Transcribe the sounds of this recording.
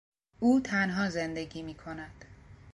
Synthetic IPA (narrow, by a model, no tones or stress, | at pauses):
uːt̪ʰænɦɒːze̞nd̪e̞ɡiːmiːkʰo̞næd̪̥